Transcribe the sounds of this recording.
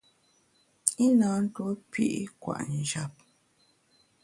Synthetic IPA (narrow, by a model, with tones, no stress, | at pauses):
i˦naː˨˦n̩˦to˦pḭ˦ʔkwa̰˨ʔn˨d͡ʒa˦˨p̚